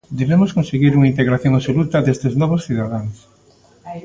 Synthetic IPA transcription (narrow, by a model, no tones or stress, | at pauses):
d̪eβemoskõnseɣiɾuŋaint̪eɣɾaθjoŋaβsolut̪aðest̪eznɔβosθiðaðaŋs